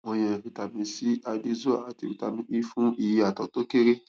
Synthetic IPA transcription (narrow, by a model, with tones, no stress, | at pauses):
mõ˧j̃ɛ̃˨fi˨ta˨mĩ˧si˦a˧di˦zo˦a˨a˨ti˨fi˨ta˨mĩ˧ʔi˦fũ˦i˦˨i˧˦a˨tɔ˨to˦ke˦ɾe˦